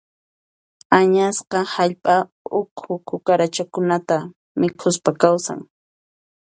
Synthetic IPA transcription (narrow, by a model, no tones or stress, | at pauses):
aɲasqɑhaʎpʼa | ʊkʰʊkʰʊkaɾat͡ʃakʊnat̪a | mɪkʰʊspakawsa̰ŋ